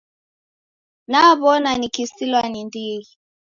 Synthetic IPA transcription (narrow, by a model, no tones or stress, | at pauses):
naβɔnanikisilwanindii